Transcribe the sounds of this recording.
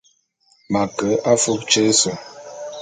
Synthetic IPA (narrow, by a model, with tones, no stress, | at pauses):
ma˨kə˨˦a˦fu˦k̚t͡ʃe˦sɔ˨